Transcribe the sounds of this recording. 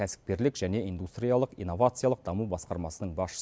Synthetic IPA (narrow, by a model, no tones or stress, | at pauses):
æsɪ̥p̚kʲe̞ɾlɪkʒæne̞ind̪ust̪ɾʲijalˠəqḭnːo̞vat̪sɨjalˠəq̚d̪ɑmubɑsqɑɾmɑsənəɴbɑsʃə̥